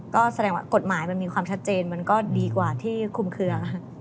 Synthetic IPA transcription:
kɔː˥˩sa˧dɛː˧ŋwa̰ː˥˩ko˨˩t̪̚maː˩˦jma˧nmiː˧kʰwaː˧mt͡ɕʰa˦˥t̪̚t͡ɕeː˧nma˧nkɔː˥˩diː˧kwaː˨˩t̪ʰiː˥˩kʰu˨˧˩mkʰɯ˧ɐ˥

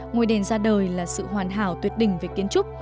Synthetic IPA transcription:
ŋo˧˩jɗe˨˩nzaː˧ɗəː˨˩jlaː˨˩sɨ̰˧˨ɦwaː˨˩nɦaː˧˩wt̪wət̚ɗï˨˩ŋ̟ve˨˩ki˨˦ənt͡ɕʊ˦˥k͡p̚

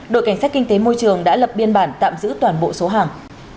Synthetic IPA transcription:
ɗo̰˧˨jka˧˩jŋsaː˦˥t̚ki˧ŋ̟t̪e˨˦mo˧jt͡ɕɨ˨˩əŋɗa̰ː˧˥lə˨˩p̚ɓi˧ənɓaː˧˩nt̪a̰ː˧˨mzɨ̰˧˥t̪waː˨˩nɓo̰˧˨so˨˦ɦaː˨˩ŋ

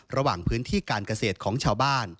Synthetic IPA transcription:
ɾa˧waː˨˩ŋpʰɯː˦˥nt̪ʰiː˥˩kaː˧nka˧seː˨˩t̪̚kʰɔː˩˦ŋt͡ɕʰaː˧wbaː˥˩n

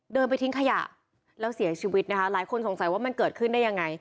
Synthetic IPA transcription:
dɤː˧np̬a˧jt̪ʰi˦˥ŋkʰa˧ja̰˨˩ʔ | lɛː˦˥wsi˨˩˦ɐt͡ɕʰiː˧wi˦˥t̪̚na˦˥kʰa˦˥laː˩˦jkʰo˧nso˨˩˦ŋsa˨˩˦jwaː˥˩ma˧nkɤː˨˩t̪̚kʰɯ˥˩ndaː˥˩ja˧ŋːa˧j

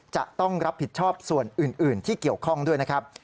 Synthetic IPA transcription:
t͡ɕa̰˨˩ʔt̪ɔ˥˩ŋɾa˦˥p̚ʰːi˨˩t̪̚t͡ɕʰɔː˥˩p̚su˨˩ənʔɯː˨˩nʔɯː˨˩nt̪ʰiː˥˩ki˨˩əwkʰɔ˥˩ŋdu˥˩əjna˦˥kʰa˦˥p̚

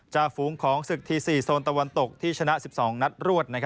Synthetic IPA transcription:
t͡ɕa˨˩fuː˩˦ŋkʰɔː˩˦ŋsɯ˨˩k̚t̪ʰiː˧siː˨˩soː˧nt̪a˧wa˧nt̪o˨˩k̚t̪ʰiː˥˩t͡ɕʰa˧na˦˥ʔsi˨˩p̚sɔː˩˦ŋna˦˥t̪̚ɾu˥˩ət̪̚na˦˥kʰ

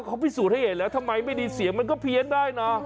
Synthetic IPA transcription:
kʰa˦˥wpʰiː˦˥˩suː˨˩t̚ha˥˩jhe˨˩nlɛː˦˥wt̪ʰa˧mːa˧jma˥˩jdiː˧si˨˩˦əŋma˧nkɔː˥˩pʰi˧əndaː˥˩jna˦˥

